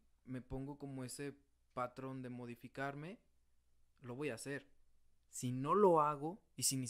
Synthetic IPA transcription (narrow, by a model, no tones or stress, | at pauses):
me̞po̞ŋɡo̞ko̞mo̞e̞se̞ | pat̪ɾo̞nd̪e̞mo̞ð̞ifikaɾme̞ | lo̞βo̞jase̞ɾ | sino̞lo̞aɣo̞ | isini